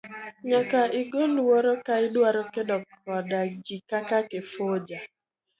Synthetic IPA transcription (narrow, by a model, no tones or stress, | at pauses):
ɲakaɪɡolwɔɾɔkaɪdwaɾɔkedɔkɔdad͡ʒikakakefod͡ʒa